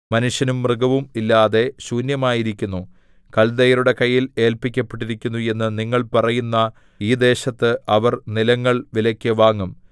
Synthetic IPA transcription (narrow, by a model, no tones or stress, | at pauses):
mɐnuʂjɐnumːrɨɡɐʋumilːaːðe̞ɕuːnjɐmaːjiɾikʲːunːu | kɐld̪ɐjɐɾuɽe̞kɐjːile̞ːlpikʲːɐpːeʈːiɾikʲːunːue̞nːɨniŋːɐɭpɐrɐjunːɐ | iːd̪e̞ːɕɐt̪ːɨʔɐʋɐrnilɐŋːɐɭʋilɐkʲːɨʋaːŋːum